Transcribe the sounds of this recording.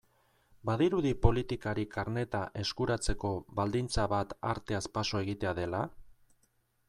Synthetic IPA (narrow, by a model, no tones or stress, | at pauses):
baðiɾuðipo̞lit̪ikaɾikaɾne̞t̪aʔe̞skuɾat͡se̞ko̞βald̪int͡saβat̪a̰ɾt̪e̞aspaso̞e̞ɣit̪e̞aðe̞la